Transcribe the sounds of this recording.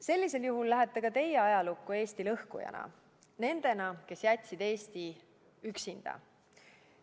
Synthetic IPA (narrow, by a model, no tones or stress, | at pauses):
se̞lːise̞ljuɦulːæɦet̪ːˑekɑt̪e̞jeɑjɑlukːue̞ːst̪ilɤhkṵjɑ̰nɑ̰ | ne̞nd̪̥e̞nɑke̞sjæt̪ʲsid̪̥e̞ːst̪i | yksind̪̥ɑ̰